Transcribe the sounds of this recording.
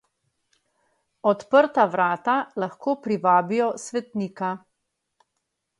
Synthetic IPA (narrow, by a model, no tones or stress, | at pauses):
ɔt̪pəɾt̪aʋɾaːt̪alaxkoːpɾiʋaːbijɔsʋɛt̪niːka